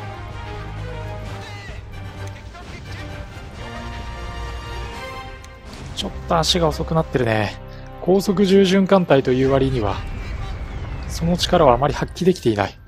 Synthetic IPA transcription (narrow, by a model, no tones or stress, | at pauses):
t͡ɕo̞t̪ːo̞aɕiɡao̞so̞kɯ̟nat̪ːe̞ɾɯ̟nḛ | kʰo̞ːso̞k̬ɯ̟ʑɨːʑɨ̃ŋkãnt̪ait̪o̞jɯːβaɾʲiɲ̟iβa̰ | so̞no̞t͡ɕi̥kaɾaβaːmaɾʲihakʲːid̪e̞kʲi̥t̪e̞ina̰i